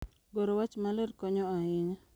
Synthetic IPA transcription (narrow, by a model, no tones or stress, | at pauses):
ɡoɾowat͡ʃmaleɾkɔɲɔaɪŋa